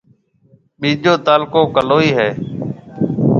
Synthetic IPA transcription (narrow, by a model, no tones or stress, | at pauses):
ɓĩːʄoːt̪aːlkoːkəloːiːɦɛː